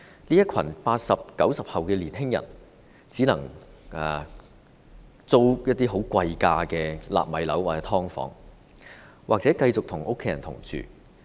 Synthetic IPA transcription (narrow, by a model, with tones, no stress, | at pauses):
liː˥jɐ˥t̚kʷʰɐ˨˩npaː˧t̚sɐ˨p̚kɐ˨˥wsɐ˨p̚hɐ˨wkɛː˧liː˨˩nɦɪ˥ŋjɐ̰˨˩n | t͡siː˨˥nɐ˨˩ŋɛː˨˩ | t͡so˥wjɐ˥t̚t̪ːiː˥ɦo˨˥wkʷɐ˧jkaː˧kɛː˧la̰ː˨p̚mɐ˨˥jlɐ̰˨˥waː˨t͡sɛː˨˧˥t̪ʰɔː˥ŋfɔ̰ː˨˥ŋ | wʔaː˨k̚t͡sɛː˨˥kɐ˧jt͡sʊ˨k̚t̪ʰʊ˨˩ŋo˥kʰːe˨˦jɐ˨˩nt̪ʰʊ̰˨˩ŋt͡ʃy̰ː˨˩